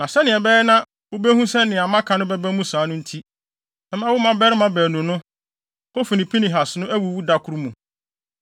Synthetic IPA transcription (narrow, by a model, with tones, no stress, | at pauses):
nã˨sɛ˦nɪ̃˨ɛ˨bɛ˦ɛ˦nã˦ | wʊ˦bæ˦hũ˦sɛ˦nɪ̃˨a˨mã˦kʰã˨nʊ̃˦bɛ˦bæ˦mũ˦saː˨˦nʊ̃˦n̩˦tʰi˦ | ɛ˦m˦ã˦wʊ˦mã˦bɛ˦ɾɪ˦mã˦bæː˨nũ˨nʊ̃˦ | ho˦fi˨nĩ˨pʰi˦nĩ˨ɦa˨snʊ̃˦æ˦wu˨wu˦da˦kʰʊ˦ɾu˦mũ˨